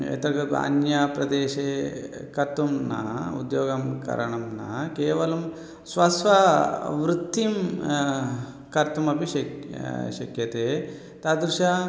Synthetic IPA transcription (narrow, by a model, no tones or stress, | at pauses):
ḛt̪ɐkɐka̰njaːpɾɐd̪eːʃeː | kɐɾt̪ːumnɐ̰ṵd̪joːɡɐmkɐ̰ɾɐɳɐmnɐ̰keːʋɐlum | sʋɐsʋaʋɾut̪ːim | kɐɾt̪umɐpiʃɐʃɐkjɐt̪eː | t̪aːd̪ɾuʃa